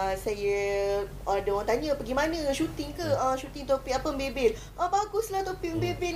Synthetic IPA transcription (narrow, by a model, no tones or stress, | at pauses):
sajə | adəwãŋt̪aɲapəɡimãnə̃ãʃut̪ɪŋkaəʃut̪ɪŋt̪opiʔapəəmbebɛl | ʔəbaɡʊslaht̪opɪʔmbebɛ